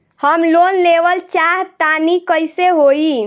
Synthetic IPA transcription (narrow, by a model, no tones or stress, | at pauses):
həmlonleʋəlt͡ʃaɦt̪anikəjseɦoi